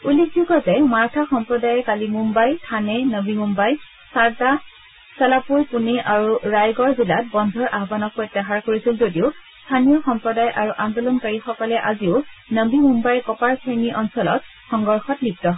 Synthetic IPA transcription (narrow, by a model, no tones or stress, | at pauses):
ulikzuɡɔtɛmaɹtʰaxɔmpɹɔdajɛkalimumbajtʰanɛnəbimumbaj | saɹta | sɛlapuɹpuniʔaɹuɹajɡɔɹzilat̚bɔndʱɔɹʔaɦɔbanɔk̚pɹɔjtːaɦaɹkoɹisilzodiʊ | stʰanijɔxɔmpɹɔdajʔaɹuʔandɔlɔnkaɹixɔkɔlɛʔaziʊnəbimumbajkɔpaɹsʰeniʔɔnsɔlɔt̚ | xɔŋɡɔɹxɔt̚bik̚tɔɦ